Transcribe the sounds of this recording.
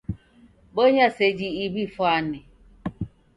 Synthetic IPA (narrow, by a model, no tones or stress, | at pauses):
boɦased͡ʒiibifɔanɪ